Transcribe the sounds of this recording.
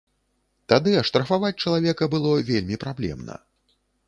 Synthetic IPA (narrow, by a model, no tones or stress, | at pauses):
t̪ad̪ɨɐʂt̪ɾɐfavat͡sʲt͡ʂɐlˠavʲɛkɐbɨlˠɔvʲelʲmʲipɾablʲɛ̰mnɐ̰